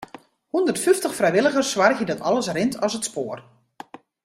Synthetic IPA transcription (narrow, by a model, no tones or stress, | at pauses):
hundərtfyftəxfrɛjʋɪlˠəɣərswarɣjədɔtɔlˠəsrɪntʰɔsətspoːər